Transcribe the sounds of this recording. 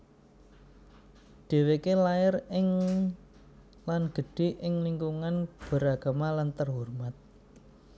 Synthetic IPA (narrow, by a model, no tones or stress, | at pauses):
d̪̥e̤wekelaɪrɪŋ | lanɡ̥ə̤ɖ̥e̤ʔɪŋliŋkuŋanb̥ə̤ɾaɡ̥a̤malant̪ərɦurmat̪̚